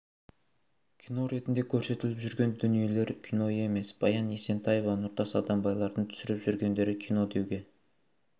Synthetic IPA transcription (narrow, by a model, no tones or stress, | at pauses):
kʲʰino̞ɾe̞t̪ɪnd̪e̞kʲʰɵɾse̞t̪ɪlɪpʒʏɾɡʲe̞nd̪ʏnije̞le̞ɾkʲʰino̞je̞me̞sb̥ɑjɑnjese̞nt̪ʰɑje̞vɑnʊɾt̪ɑsɑd̪ɑmbɑjlˠɑɾd̪ənt̪ʰʏ̥sɪɾɪpʒʏɾɡʲe̞nd̪e̞ɾɪkʲʰijno̞d̪e̞wɡʲe̞